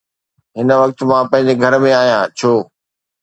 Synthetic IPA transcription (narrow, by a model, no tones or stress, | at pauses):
ɦɪnə̆ʋɐk̚t̪mãpɐ̃ɦɪ̃ɲ̆d͡ʑeɡʱɐɾmẽaːɦijãːt͡ɕʰoː